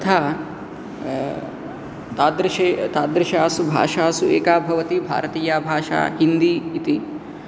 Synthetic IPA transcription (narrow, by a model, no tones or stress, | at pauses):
ɐt̪ʰaː | t̪aːd̪ɾɪʃet̪aːd̪ɾɪʃaːsubʱa̰ːʂaːsuḛːkaːbʱɐʋɐt̪ibʱa̰ːɾɐt̪iːjaːbʱaːʃa̰ːɦind̪iːt̪i